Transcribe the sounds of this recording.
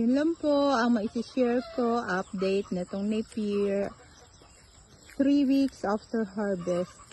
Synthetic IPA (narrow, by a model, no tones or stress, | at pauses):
jʊnlɐmpoʔɐŋmɐʔɪsɪʃɛɹpoʔɐp̚d̪ejt̪̚nɐt̪oŋnɐjpiɹ | t̪ɾiwiksʔaft̪ɛɹɦaɹbɛst̪̚